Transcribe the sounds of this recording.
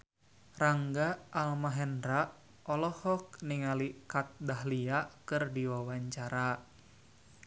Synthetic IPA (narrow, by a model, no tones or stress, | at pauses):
raŋɡaːlmaɦɛndɾaʔ | ʔɔlɔhɔk̚niŋalikat̪̚daɦliakɨrdiwawaɲt͡ʃaɾa